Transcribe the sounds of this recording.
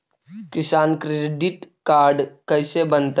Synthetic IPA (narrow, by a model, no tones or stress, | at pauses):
kɪsaːnkɾeɖɪʈkaːɾɖkəɪsebənt̪